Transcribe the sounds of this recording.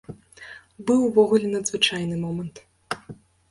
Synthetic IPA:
bɨwvɔɣulʲɛnɐd̪zvɨt͡ʂajnɨmɔmɐnt̪

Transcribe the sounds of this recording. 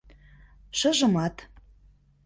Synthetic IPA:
ʃɤ̆ʒɤ̆mɑt̪

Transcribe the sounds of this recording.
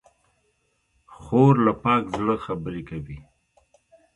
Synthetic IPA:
xoɾlapɑːkzɽəxabəɾekawi

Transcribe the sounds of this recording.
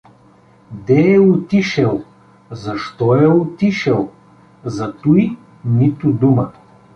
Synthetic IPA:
d̪ɛɛʊt̪iʃɛlˠ | zɐʃt̪ɔɛʊt̪iʃɛlˠ | zɐt̪uj | nit̪ʊd̪umə

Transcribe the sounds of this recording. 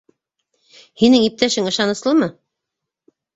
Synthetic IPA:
hinɘŋip̚t̪æʃɘŋɤ̆ʃɑnɤ̆slˠɤmɤ

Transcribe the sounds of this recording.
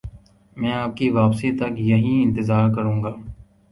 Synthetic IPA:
mɛ̃ːaːp̚kiʋaːpsit̪ɐkjɐɦĩɪ̃nt̪ɪzaːɾkɐɾũːŋɡaː

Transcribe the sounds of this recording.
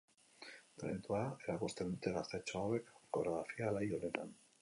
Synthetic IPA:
t̪ɾḛnit̪uaae̞ɾakust̪e̞nd̪ut̪e̞ɣast̪e̞t͡ʃoawe̞kkoɾaðafialajonet̪a̰n

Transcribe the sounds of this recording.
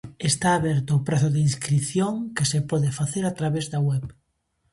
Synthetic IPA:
est̪aːβɛɾt̪ʊːpɾaθʊðeinskɾiθjoŋkesepɔðefaθeɾat̪ɾaβezðɐwɛp

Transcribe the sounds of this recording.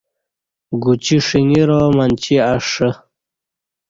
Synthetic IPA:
ɡut͡ɕiʂiŋiɾoːmant͡ɕiaʂə

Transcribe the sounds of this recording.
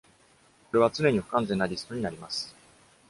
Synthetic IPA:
ko̞ɾe̞βat͡sɨne̞ɲ̟iɸɯ̟̥kãnd͡zẽ̞nːaɾʲisɨ̥t̪o̞ɲ̟inaɾʲimasɨ̥

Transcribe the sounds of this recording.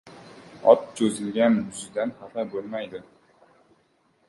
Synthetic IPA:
ɒt̪̚t͡ʃʰɵzɪlɡʲanjʊzɪd̪anhaqabɵlmajd̪ɪ

